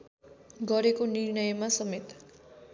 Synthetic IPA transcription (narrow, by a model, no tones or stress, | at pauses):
ɡʌɾekonirnʌjmasʌmet̪